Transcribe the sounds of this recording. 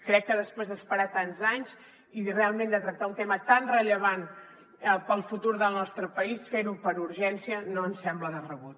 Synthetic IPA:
kɾɛkːəðəspɾezðəspəɾat̪anzaɲz | irealˠmẽnd̪ət̪ɾək̚t̪aunt̪emət̪anrəʎəβ̞an | əpəlˠfut̪uɾðəlˠnɔst̪ɾəpəisfeɾupəɾuɾʒɛnsiənoənsɛmbləðərəβut̪̚

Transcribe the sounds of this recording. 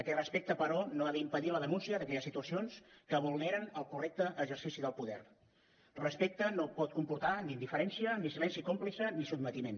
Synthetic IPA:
əkɛt̪rəspek̚t̪əpəɾɔnoaðəimpəðiləðənunsiəðəkɛʎəsit̪uəsionskəβulˠnɛɾənəlˠkurɛk̚t̪əʔːʒəɾsisiðəlˠpuðɛ̰r | rəspek̚t̪ənopɔt̪̚kumpuɾt̪anind̪ifəɾɛnsiənisilɛnsjikomplisənisub̚mət̪imen

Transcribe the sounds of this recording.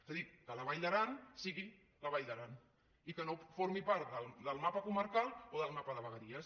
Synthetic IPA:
zaðikkələβ̞ajʎd̪əɾansiɣi | ləβaʎd̪əɾan | ikənofoɾmipaɾt̪d̪əlˠd̪əlˠmapəkuməɾkalˠoðəlˠmapəðəβəɣəɾiəs

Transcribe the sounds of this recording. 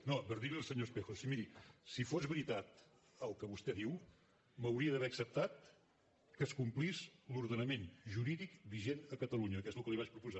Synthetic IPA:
nopəɾðiliəlˠsəɲospexosimiɾisifozβɾit̪at̪ | əlˠkəβust̪ɛðiw | məwɾiəðəβɛəksəp̚t̪at̪̚ | kəskumplizluɾðənəmenʒuɾiðikbiʒenəkət̪əluɲəkɛzlˠkəliβat͡ʃpɾupuza

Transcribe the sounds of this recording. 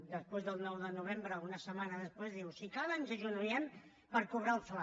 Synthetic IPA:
d̪əspwezðəlˠnɔwðənuβ̞embɾəunəsəmanəðəspwezðiwsikaβənzəʒunuɾiəm | pəɾkuβ̞ɾaəlˠfla

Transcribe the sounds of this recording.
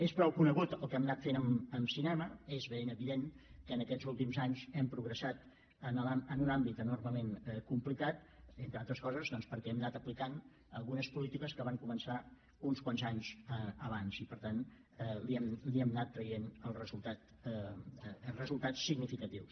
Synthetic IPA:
espɾɔwkunəɣut̪əlˠkɛmnat̪fenəməmsinɛməezβenəβiðeŋkənəkɛzulˠt̪imzaɲzɛmpɾuɣɾəsat̪ | ənlaənunambit̪ənurməmenɛkumplikat̪ent̪ɾəalˠt̪ɾəskɔzəzðɔnspəɾkɛɛmnat̪əplikan | əlˠɣunəspulit̪ikəskəβaŋkumənsa | unskwanzaɲzəəβanzipəɾt̪an | liɛmliɛmnat̪ːɾəjenəlˠrəzulˠt̪at̪ | rəzulˠt̪at͡sːiɡnifikət̪iws

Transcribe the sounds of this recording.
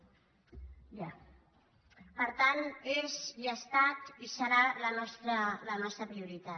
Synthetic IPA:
ja | pəɾt̪anezʎəst̪at̪isəɾalənɔst̪ɾələnɔst̪ɾəpɾiuɾit̪a

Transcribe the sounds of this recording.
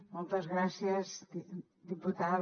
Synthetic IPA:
molˠt̪əzɣɾasiəz | d̪iput̪að

